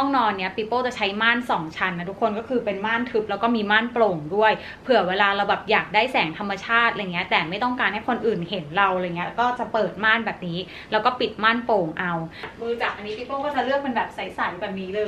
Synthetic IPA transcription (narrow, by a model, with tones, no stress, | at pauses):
ɔ˥˩ŋnɔː˧nːi˦˥ɐpi˦˥poː˥˩t͡ɕa˨˩t͡ɕʰa˦˥jmaː˥˩nsɔː˩˦ŋt͡ɕʰa˧nːa˧˥t̪ʰu˦˥kʰːo˧nkɔː˥kʰɯː˧pe˧nmaː˥˩nt̪ʰɯ˦˥p̚lɛː˦˥wkɔː˥˩miː˧maː˥˩nploː˧ŋdu˥˩əj | pʰɯ˨˩ɐweː˧laː˧ɾa˧wbɛː˨˩p̚jaː˨˩k̚daː˥˩jsɛː˩˦ŋt̪ʰa˧mːa˧t͡ɕʰaː˥˩t̪̚ʔa˧jŋi˦ɐt̪ɛː˨˩ma˥˩jt̪ɔ˥˩ŋkaː˧nha˥˩jkʰo˧nʔɯː˨˩nhe˩˦nɾa˧wɾjŋːi˦˥kɔː˥˩t͡ɕa˨˩pɤː˨˩t̪̚maː˥˩nbɛː˨˩p̚niː˦˥ | lɛː˦˥wkɔː˥˩pi˨˩t̪̚maː˥˩npoː˧ŋʔa˧wmɯː˧t͡ɕa˨˩k̚ʔa˧ni˦˥pi˦˥pːoː˥˩kɔː˥˩t͡ɕa˧˩ɾɯ˥˩ək̚pe˧nbɛː˨˩p̚sa˨˩˦jsa˨˩˦jwaː˨˩p̚niː˦˥lɤː˧